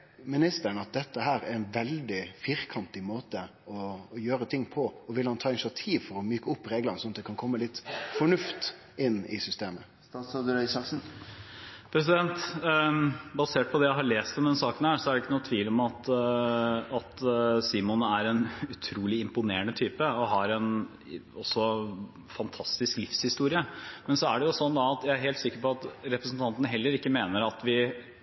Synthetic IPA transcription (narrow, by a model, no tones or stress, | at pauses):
mɪnɪst̪əɳ̩ɑt̪̚d̪ɛt̪ːəhæːɾæɾɛnʋɛld̪ɪfiɾkʰɑnt̪ɪmoːt̪əɔjøːɾət̪ʰɪŋːpʰɔɔʋɪlhɑnt̪ʰɑːɪnɪsɪɑt̪ʰiːʋfɔɾɔmyːkəʊpːɾeːɡlənəsɔnɑt̪d̪ɛkʰɑnkʰɔmːəlɪt̪ːfɔɳʉft̪ | ɪnːɪ̰sʏst̪eːmə | t̪ɑsɑd̪ɾɛsɑsn̩ | pʰɾɛsɪd̪ɛnt̪ | bɑseːʈ̚pʰɔd̪ɛjæɪɦɑɭeːst̪ɔmd̪ɛnsɑːkənhæːsɔæɖɛɪkːənuːt̪ʰʋiːlɔmɑt̪ | ɑt̪siːmʊnæɾɛnʉt̪ʰɾuːlɪɪmpʊneːəɳət̪ʰyːpəɔɦɑɾɛn | ɔsːɔ | fɑnt̪ʰɑst̪ɪsklɪfshɪst̪uːɾɪəmɛnsɔæɖɛjʊsɔnːd̪ɑɑt̪jæɪæɾɦeːlt̪sɪkːəɾpɔɑt̪ɾɛpɾəsn̩t̪ʰɑnt̪ənəɦɛlːəɾɪkːəmeːnəɾɑt̪ʋɪ